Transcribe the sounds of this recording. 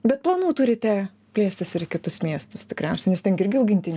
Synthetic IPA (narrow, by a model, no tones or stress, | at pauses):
bʲɛt̪̚plˠɐnuːt̪ʊɾʲɪt̪ʲæː | pʲlʲeːsʲt̪ʲɪsɪɾɪkʲɪt̪ʊsmʲiɛst̪ʊst̪ʲɪkɾʲɛʊsʲɛnʲɛst̪ʲɛnɡʲɪɪɾʲɡʲɪɐʊɡʲɪnʲt̪ʲɪnʲ